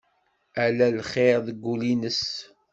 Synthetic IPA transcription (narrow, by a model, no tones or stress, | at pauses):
ælælχeɾðəɡːulinəs